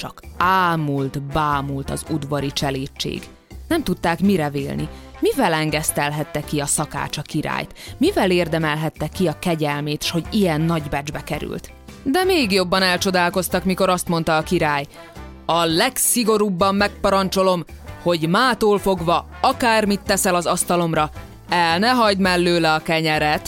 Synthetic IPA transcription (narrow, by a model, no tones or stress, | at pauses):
t͡ʃɒ̰kaːmult̪baːmult̪ɒ̰zud̪vɒɾit͡ʃɛleːt͡ʃːḛːɡ | nɛmt̪ut̪ːaːkmiɾɛvḛːlnḭ | mivɛlɛŋɡɛst̪ɛlɦɛt̪ːɛkːiɒsɒka̰ːt͡ʃɒkiɾa̰ːjt̪mivɛleːrd̪ɛmɛlɦɛt̪ːɛkːiɒkɛɟɛlmeːt̪ʃho̞ɟijɛnːɒɟbɛd͡ʒbɛkɛɾy̰lt̪ | d̪ɛmeːɡjo̞bːɒnɛlt͡ʃo̞d̪aːlko̞st̪ɒkmiko̞ɾɒst̪mo̞nt̪ɒːkiɾaːj | ɒlɛksiɡo̞ɾuːbːɒmːɛk̚pɒɾɒnt͡ʃo̞lo̞mho̞ɟmaːt̪oːlfo̞ɡʋɒ | ɒkaːrmit̪ːɛsɛlɒzɒst̪ɒlo̞mrɒ | ɛlnɛɦɒɟd̪mɛlːøːlɛɒkɛɲɛɾɛt̪